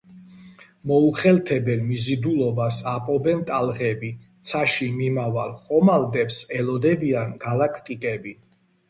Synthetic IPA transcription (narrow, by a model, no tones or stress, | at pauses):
mɔuχɛlt̪ʰɛbɛlmizid̪ulɔbasapʼɔbɛnt̪ʼalˠʁɛbit̪sʰaʃimimavalˠχɔmald̪ɛpsɛlɔd̪ɛbianɡalakʰt̪ʼikʼɛbi